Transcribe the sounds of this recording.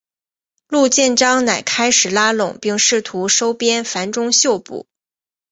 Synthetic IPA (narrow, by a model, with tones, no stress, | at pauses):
lu˥˧t͡ɕjɛ˥˩nʈ͡ʂɑ˥ŋna˨˩ɪkʰa˥ɪʂɻ̩˨˩la˥lʊ̰˨˩ŋpi˥˧ŋʂɻ̩˥˩t̪ʰu˧˥ʂo˥ʊpjɛ˥nfa˧˥nʈ͡ʂʊ˥ŋɕjo˥˧ʊpṵ˥˩˦